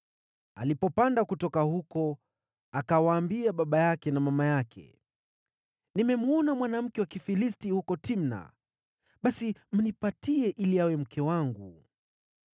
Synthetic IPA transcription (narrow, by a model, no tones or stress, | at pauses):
a̰lipɔpandakutɔkahukɔ | akawaːmbiaɓaɓajakɛnamamajakʰɛ̰ | nimɛmuɔnamwanam̩kɛwakifilistihukɔtimna̰ | ɓasim̩nipatiɛʔiliawɛm̩kʰɛwaŋɡu